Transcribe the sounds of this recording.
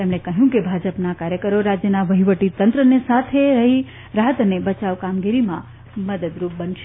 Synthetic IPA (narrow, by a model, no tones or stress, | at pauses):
t̪emɽ̃ekəɦjũkebʱad͡ʒəpnakaɾjəkəɾoɾad͡ʒjənaʋəɦiʋəʈit̪ənt̪ɾənesat̪ʰeɾəɦi | ɾaɦət̪ənebət͡ʃaʋkamɡiɾimã | məd̪əd̪ɾup̚bənʃe